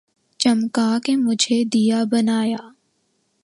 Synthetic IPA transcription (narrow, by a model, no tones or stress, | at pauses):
t͡ʃɐmkakemʊd͡ʒʱed̪ijabɐnaːjaː